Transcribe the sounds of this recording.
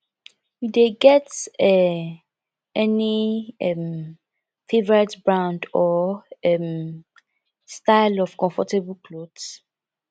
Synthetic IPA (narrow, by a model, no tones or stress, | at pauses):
judeɡɛtɛ | ɛniɛm | fevəɹɛtbɹãʊ̃ndɔɛm | staɪlɔv̥kɔ̃ɱfɔtebəlkʰlod̥s